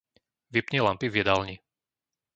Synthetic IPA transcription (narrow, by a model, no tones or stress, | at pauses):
ʋipɲɛlampivjɛd̪alɲi